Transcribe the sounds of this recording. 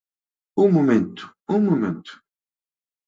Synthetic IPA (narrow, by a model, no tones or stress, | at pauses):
umumɛ̃nt̪u̥ | umumɛ̃nt̪u̥